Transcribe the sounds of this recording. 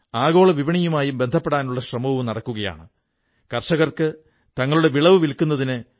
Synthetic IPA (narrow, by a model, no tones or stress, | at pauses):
aːɣo̞ːɭɐʋibɐɳijumaːjumbend̪ʱɐpːe̞ɽaːnuɭːɐɕrɐmɐʋumnɐɽɐkːuɣɐja̰ːɳɨ | kɐrʂɐɣɐrkɨ | t̪ɐŋːɐɭuɽe̞ʋiɭɐʋɨʋilkunːɐðinɨ